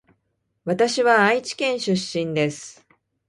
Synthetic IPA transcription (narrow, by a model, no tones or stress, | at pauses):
βat̪aɕiβaait͡ɕi̥kẽ̞ɰ̃ɕɨɕːĩnd̪e̞sɨ̥